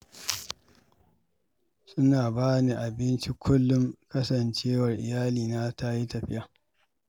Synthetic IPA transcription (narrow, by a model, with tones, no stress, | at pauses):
sʊ˦naː˨baː˦ni˦ʔa˨bɪ˦nt͡ʃi˦kʷʰʊ˦lːʊ˦ŋkɐ˦sɐ˨nt͡ʃeː˦wɐ˨rʔɪ̰˨jaː˦liː˨naː˦ta˦ji˦tɐ˨ɸɪ˦ja˨